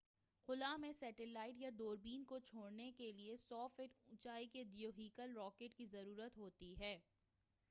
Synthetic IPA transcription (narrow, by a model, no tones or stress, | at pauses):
xʊlamẽsɛːʈɪlaːɪʈjad̪oːɾbiːnkot͡ʃʰoːɽnekeliesɔːfɪʈʊ̃t͡ʃaːikeɖijoɦiːkəlɾɔːkeːʈkizɐɾuːɾət̪ɦoːt̪iɦɛː